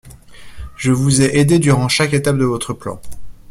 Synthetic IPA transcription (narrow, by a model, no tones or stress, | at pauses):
ʒəvuzɛʔed̪ed̪yʁɑ̃ʃaket̪ap̚d̪əvɔt̪χəplɑ̰̃